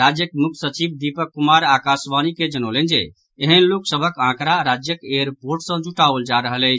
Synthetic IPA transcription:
ɾad͡ʒjəkmuk̪̚ʰsət͡ʃibd̪ipəkːumaɾakasbaniked͡ʒənolend͡ʒe | eɦənloksəbʱəkãkɾaɾad͡ʒjəkeəɾpoɾʈsə̃d͡ʒuʈaold͡ʒaɾəɦələɪt͡ʃʰ

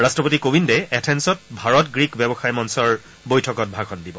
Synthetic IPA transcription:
ɹastɹɔpotikobindɛɛtʰɛnsɔt̚bʱaɹɔtɡɹikbɛbɔxajmɔnsɔɹ | bojtʰɔkɔt̚bʱakʰɔndibɔ

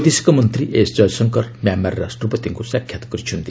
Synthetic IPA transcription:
d̪esi̥kʌmʌnt̪riʔesd͡zʌjsʌŋkʌrmjamarːasʈrʌpʌt̪iŋkusakʰjat̪ɔ̥ɡʌɾit͡ʃʰund̪i

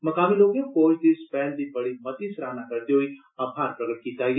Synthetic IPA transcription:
mɐkaːmiloːkẽkoːid̪ispɛːld̪ibɐɽimɐt̪isɾaːnakɐɾd̪iɦʊiː | aːpʰaːɾpɾɐɡəʈ̚kiːt̪aːiɡe

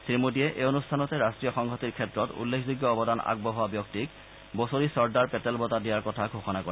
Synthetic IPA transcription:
simudijɛʔeonustʰanɔtɛɹastɹijɔxɔŋɡʱɔtiɹkʰɛtɹɔtṵlːekʰzuɡjɔːbɔdana̰ɡ̚bɔɦɔabjɔk̚tik | bosoɹisɔɹdaɹpɛtɛlbɔtadijaɹkɔtʰaɡʱoxɔnako

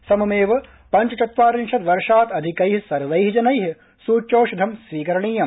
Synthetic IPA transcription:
sɐmɐmeːʋɐ | pɐɲt͡ʃɐt͡ʃ̪ɐt̪ʋaːɾiŋʃɐt̪ʋɐɾʂaːt̪ɐd̪ʱikɐjɦisɐɾʋɐjɦid͡ʒɐnɐjɦi | suːt͡ʃoːʃud̪ʱɐmsʋiːkɐɾɐɳiːjɐm

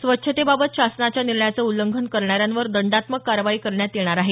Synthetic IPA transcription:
sʋətːɕʰət̪ebabət̪ɕasnat͡ɕjaniɾɳjat͡səuləŋɡʱənkəɾɳaɾjanʋəɾd̪əɳɖat̪məkːaɾəʋaiːkəɾɳjat̪jeɳ̃aɾaɦe

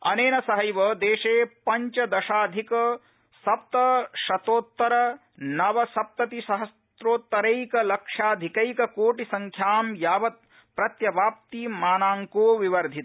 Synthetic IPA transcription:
ɐ̰neːnɐsɐɦɐjʋɐd̪eːʃeːpɐɲt͡ʃɐd̪ɐʃaːd̪ʱikɐ | sɐp̚t̪ɐʃɐt̪oːt̪ːɐɾɐ | nɐʋɐsɐp̚t̪ɐt̪iʃɐɦɐs | t̪ɾoːt̪ːɐɾejkɐlɐkʂaːd̪ʱikɐjkɐkoːʈisɐŋkʰjaːmjaːʋɐt̪̚ | pɾɐt̪jɐʋaːp̚t̪iːmaːnaːŋkoːʋiʋɐɾd̪ʱit̪

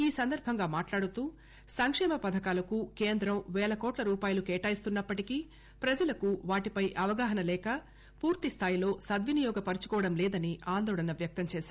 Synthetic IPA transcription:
iːsɐnd̪ɐɾbʱɐŋɡaːmaːʈlaːɽut̪uː | sɐŋkʂɛːmɐpɐd̪ʱɐkaːlɐkukeːnd̪ɾɐmʋɛːɭɐkɔːʈlɐɾuːpaːjɐlukeːʈaːjist̪unːɐpːɐʈiki | pɾɐd͡ʒɐlɐkuʋaːʈipɐjʔɐʋɐɡaːɦɐnɐlɛːkɐ | puːɾt̪ist̪ʰaːjilo̞ːsɐd̪ʋinijɔːɡɐpɐɾit͡ʃu̥kɔːʋɐɽɐmlɛːd̪ɐniaːnd̪ɔːɭɐnɐʋjɐk̚t̪ɐmt͡ʃɛːsaːɾɾu

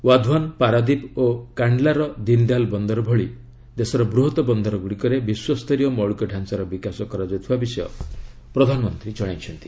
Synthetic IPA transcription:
wad̪ʱwanpaɾad̪ipokaɳɖlaɾɔd̪ind̪albɔnd̪ɔɾɔbʱɔɭi | d̪esɔɾɔbɾuɦɔt̪ɔbɔnd̪ɔɾɔɡuɽikɔɾebiswɔst̪ʰɔɾijɔmɔɭukɔɖʱansaɾɔbikasɔkɔɾad͡ʒɔwt̪ʰibabisɔjɔ̰ | pɾɔd̪ʱanɔmɔnt̪ɾit͡ʃɔɭ̃ajt͡ʃʰɔnt̪i̥

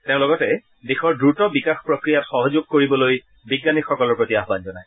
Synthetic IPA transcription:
teʊ̃lɔɡɔtɛ | bexɔɹdɹutɔbikaxpɹokɹijatxɔɦɔzuɡ̚koɹibɔloj | biɡːanikxɔkɔlɔɹpɹotiaɦbanzɔnaj

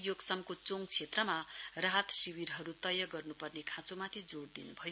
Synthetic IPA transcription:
joɡsʌmkot͡soŋt͡sʰet̪rʌmaraɦʌt̪siwiɾɦʌɾut̪ʌjʌɡʌrnupʌrnekʰãt͡somat̪ʰid͡zoɽd̪inubʱʌjo

